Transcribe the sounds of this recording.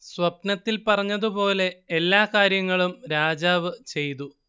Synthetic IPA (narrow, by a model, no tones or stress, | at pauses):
swɐpnɐt̪ːilpɐrɐɲːɐðupo̞ːle̞ːlːaːkaːɾjɐŋːɐɭumɾaːd͡ʑaːʋɨt͡ɕe̞jt̪u